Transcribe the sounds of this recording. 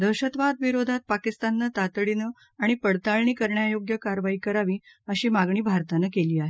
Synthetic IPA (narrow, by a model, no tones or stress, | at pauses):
d̪əɕət̪ʋad̪ʋiɾod̪ʱat̪̚pakist̪anːət̪at̪ɽinə | aɽ̃ipəɽt̪aɭɳiːkəɾɳjajoɡjəkaɾʋaiːkəɾaʋiː | əɕiːmaɡɳiːbʱaɾt̪anəkeliːaɦe